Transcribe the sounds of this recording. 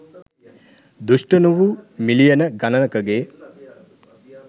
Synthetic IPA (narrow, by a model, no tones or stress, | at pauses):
d̪uʂʈənuʋumilijɐnəɡɐnɐnɐkɐɡeː